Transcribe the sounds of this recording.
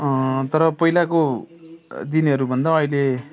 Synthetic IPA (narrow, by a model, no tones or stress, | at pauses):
ʌt̪ʌɾʌpʌilako | d̪inʌɾubʱʌnd̪aʌjle